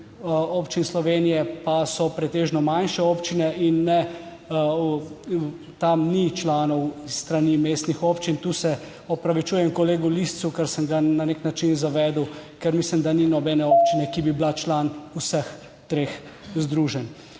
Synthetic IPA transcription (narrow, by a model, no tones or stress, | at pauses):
opt͡ʃinslɔʋeːnijɛpasɔpɾɛt̪eːʒnɔmanʃɛoːpt͡ʃinɛinːɛ | t̪amnit͡ʃlaːnɔwisːt̪ɾanimeːst̪nixoːpt͡ʃint̪uːsɛ | ɔpɾaʋit͡ʃujɛmkɔleːɡulist̪sukəɾsəmɡananeknat͡ʃinzaʋɛːd̪əwkɛɾmislimd̪aninɔbɛːnɛoːp̚t͡ʃinɛkibiblat͡ʃlanusəx | t̪ɾeːx | zd̪ɾuːʒɛn